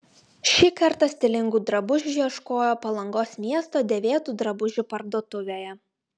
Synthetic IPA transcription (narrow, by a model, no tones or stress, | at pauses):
ʃʲikɐɾt̪ɐsʲt̪ʲɪlʲɪŋɡuːd̪ɾɐbʊʒʲʊʒʲiɛʃkoːjoːpɐlˠɐŋɡoːsmʲiɛst̪oːd̪ʲɛʋʲeːt̪uːd̪ɾɐbʊʒʲʊpɐɾd̪oːt̪ʊʋʲeːjɛ